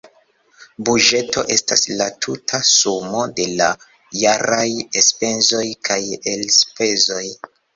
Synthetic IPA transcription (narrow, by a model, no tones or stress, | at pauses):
buʒe̞to̞̰ʔe̞staslatʰutʰasumo̞de̞la | jaɾajespe̞nzo̞jkʰajelspe̞zo̞j